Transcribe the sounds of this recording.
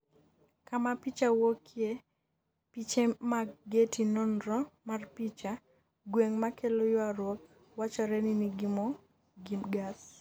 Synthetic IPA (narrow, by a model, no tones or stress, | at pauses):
kamapit͡ʃawokʰje | pit͡ʃemaɡetinɔnɾɔmarpit͡ʃa | ɡweŋmakelojɔaɾwɔk̚ | wat͡ʃɔɾɛniniɡimo | ɡimɡas